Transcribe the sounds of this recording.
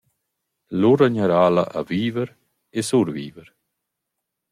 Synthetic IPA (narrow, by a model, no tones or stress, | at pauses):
luɾaɲaɾaːla̰ʔa̰viːvəɾ | esuɾvḭːvəɾ